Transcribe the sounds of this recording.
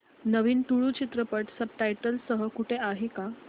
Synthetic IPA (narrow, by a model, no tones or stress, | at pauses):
nəʋiːnʈ̪uɭuːt͡ɕit̪ɾəpəʈsəb̚ʈajʈəlsəɦəkuʈʰeaɦika